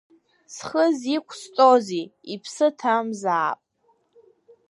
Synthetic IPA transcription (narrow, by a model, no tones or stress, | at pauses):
sχəzikʷʰst͡sʼoziipʰsɨtʰamzaːpʼ